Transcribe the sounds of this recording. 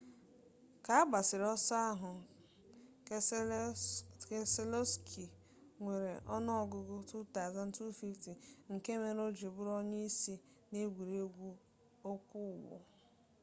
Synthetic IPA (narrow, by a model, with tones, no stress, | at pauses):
ka˨˦a˦ɡ͡ba˨sɪ˨ɾɔ˦sa˦a˦ɦʊ˨ | ke˦se˦lo˦skʰi˨ | ŋʷe˨ɾe˨ʔɔ˦nɔ˦˨ɡʊ˦ɡʊ˦tu˦ta˨za˦n̩˦tu˦fi˦fti˨ŋ̩˨ke˦me˦ɾo˦d͡ʒi˨bʊ˦ɾɔ˦ɲe˦i˦si˦ | ne˦ɡʷu˨ɾe˦ɡʷu˦ | o˦kʷʊ˦˨wʊ̰˨